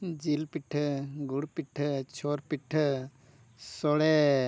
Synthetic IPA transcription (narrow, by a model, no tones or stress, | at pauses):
d͡ʒilpiʈʰɡuɽpiʈʰt͡ʃʰoɾpiʈʰ | sɔɽe